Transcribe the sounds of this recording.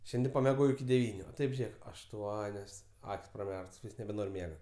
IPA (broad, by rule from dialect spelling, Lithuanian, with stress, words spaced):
ˈʃʲɛnʲdʲɪ pɐmʲɛˈɡoːjɛʊ ɪkʲɪ dʲɛˈʋʲiːnʲʊ oː ˈtɐɪp ˈʒʲeːk ɐʃˈtuɔnʲoːs ˈɐkʲsʲ prɐˈmʲɛrktoːs ˈʋʲiːsks nʲɛbʲɛˈnoːrʲ ˈmʲiɛɡɐ